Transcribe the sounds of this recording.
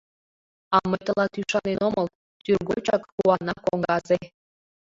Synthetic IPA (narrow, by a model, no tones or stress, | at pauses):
ɑməjt̪əlɑt̪yʃɑnenomɤl | t̪yrɣot͡ɕɑkkuwɑnɑkoŋɡɑze